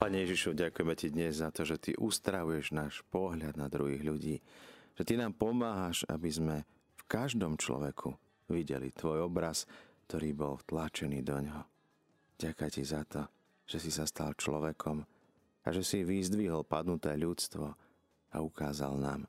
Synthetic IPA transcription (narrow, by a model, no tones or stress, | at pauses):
paːɲɛjɛʒiʃuɟakujɛmɛcid̪ɲɛzzat̪ɔʒɛt̪ḭʔust̪ɾaʋujɛʒnaːʃpɔɦʎad̪nad̪ɾuɦiːɣʎuɟiːʒ̥ɛt̪inaːmpɔmaːɦaʃa̰bizmɛ | fkaʒd̪ɔmt͡ʃlɔ̰ʋɛkʰu | ʋiɟɛ̰lḭt̪ʋɔjɔbɾask̚t̪ɔɾiːbɔlft̪lat͡ʃɛniːd̪ɔɲɦɔ | ɟakajcizat̪ɔ | ʒ̥ɛsisast̪alt͡ʃlɔ̰ʋɛkʰɔm | a̰ʒɛsiʋizd̪ʋiɦɔlpad̪nut̪ɛːʎut͡st̪ʋɔ | a̰ukaːza̰lna̰ːm